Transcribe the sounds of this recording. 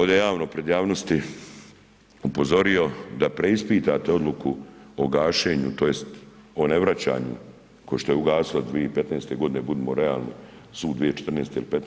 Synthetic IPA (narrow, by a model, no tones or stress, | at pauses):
oːd̪jejaːʋnopɾe̞d̪jaːʋno̞st̪i | upo̞zo̞ɾio̞d̪apɾe̞ispiːt̪at̪eo̞d̪lukuoɡaːʃe̞ːɲut̪o̞jest̪ | o̞ne̞ʋɾat͡ɕa̰ːɲṵ | koʃt̪o̞jeuɡaːsilod̪ʋieipe̞t̪neːst̪e̞ɡo̞d̪ine̞bud̪emo̞ɾea̰ːlˠnḭ | suːd̪d̪ʋiet͡ʃe̥t̪rneːst̪eilipet̪n